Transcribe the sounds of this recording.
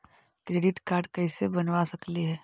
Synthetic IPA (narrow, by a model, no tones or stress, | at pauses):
kɾeːɖɪʈkaːɾɖkɐɪsebɐnʋasɐkliɦɛː